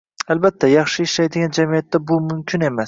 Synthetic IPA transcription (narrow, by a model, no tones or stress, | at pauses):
albat̪ʰːajɑχʃɪːʃlajd̪ɪɡʲand͡ʒamijat̪ʰːabʊmʊmkʲʰɪne̞mas